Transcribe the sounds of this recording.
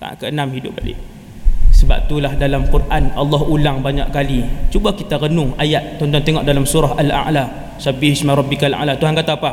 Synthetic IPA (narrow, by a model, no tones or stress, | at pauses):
a̰kəənãmhidʊp̚balɪ̰ʔ | səba̰p̚t̪ulahdalamkurʔanalːɔɦulaŋbaɲaʔkalit͡ʃubakit̪aɣənʊŋajat̪̚t͡ʃɔnt̪ɔŋt̪eŋɔʔdalamsuɾaɦala̰ʔla | sabihismaɾˤɔbːikala̰ʔlat̪uɦankat̪apa